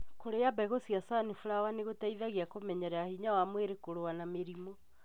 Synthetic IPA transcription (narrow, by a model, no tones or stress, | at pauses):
koɾejabaɣosiasanifuɾawaneɣotaiðaɣeakomɛɲɛɾɛahiɲawamweɾekoɾoanameɾimɔ